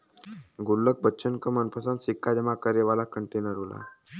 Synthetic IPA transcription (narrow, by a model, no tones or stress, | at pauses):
ɡulːək̚bətːɕənkəmənpəsansikʰːad͡ʑemakəɾjeʋalakəɳʈenəɾɦola̰